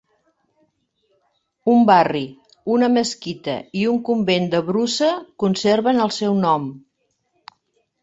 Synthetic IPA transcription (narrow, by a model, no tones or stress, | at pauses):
umbari | unəməskit̪ə̰iuŋkumbend̪əβɾusəkunseɾβənəlˠsɛwnɔm